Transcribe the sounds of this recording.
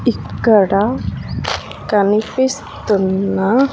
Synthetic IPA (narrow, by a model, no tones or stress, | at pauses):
iɡ̥aɽa | kanifis | t̪əna